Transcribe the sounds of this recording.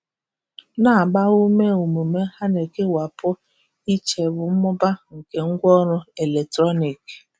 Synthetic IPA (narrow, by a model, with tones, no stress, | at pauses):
na˨ɡ͡ba˦u˦me˦u˨mu˨me˦ha˦ne˨ke˦wa˨pʰʊ˦ | i˦t͡ʃe˨bʊ˨m̩˦mʊ˦ba˦ŋ̩˨ke˨ŋ̩˦ɡʷɔ˦ɾʊ˦e˨le˨k̚tɾɔ˦ni˨k